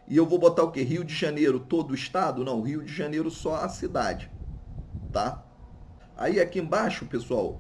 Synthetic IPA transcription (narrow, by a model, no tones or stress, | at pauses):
ɪewvowbot̪aʊkeɦiwd͡ʒɪʒanejɾʊt̪od̪ʊiʃt̪ad̪ʊnɐ̃w̃ɦiwd͡ʒɪʒanejɾʊsɔasid̪a̰d͡ʒɪ | t̪a | a̰iakiẽbaʃʊpesuaw